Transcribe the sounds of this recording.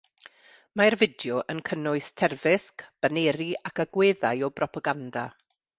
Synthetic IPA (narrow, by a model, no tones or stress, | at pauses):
maɛrvɪdjɔʔənkʰənʊɨstʰɛrvɪskb̥aneːɾiakaɡweːðajɔbrɔpʰaɡanda̰